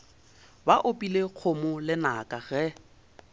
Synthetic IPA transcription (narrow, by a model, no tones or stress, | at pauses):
baʔopʼileq͡χʰomʊlɪnakʼaɣɛ